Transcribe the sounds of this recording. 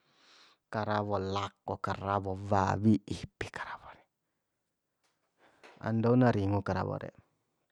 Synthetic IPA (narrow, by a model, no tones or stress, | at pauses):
kaɾaβɔlakːɔkaɾawɔva̰wiʔihpi̥kḁɾaβɔɾɛ̥ | a̰ndaunaɾiŋukaɾa̰wɔ̰ɾɛ̰